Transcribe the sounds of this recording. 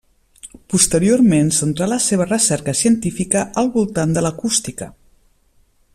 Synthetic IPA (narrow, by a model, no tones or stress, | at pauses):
pust̪əɾioɾmensənt̪ɾaləseβ̞ərəsɛɾkəsiənt̪ifikəəlˠβulˠt̪and̪ələkust̪ikə